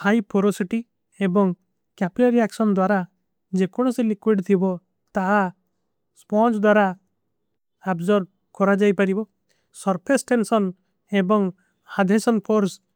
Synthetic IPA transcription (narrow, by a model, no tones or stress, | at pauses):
hajpʰoɾosiʈi | ebɔŋ | kapilaɾiaksɔnd̪waɾa | d͡ʒekɔɽ̃ɔsilikwiɖt̪ʰibɔ | t̪aɦa | spɔnt͡ʃd̪waɾa | abzɔɾb̚ | kɔɾad͡ʒajpaɾibɔ | sɔɾpʰesʈensɔn | ebɔŋ | had̪ʱesɔnpʰoɾs